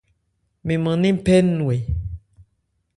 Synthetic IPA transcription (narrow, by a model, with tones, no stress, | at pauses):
mĩ˨mã˨nĩ˦pɛ˦nũ˨e˨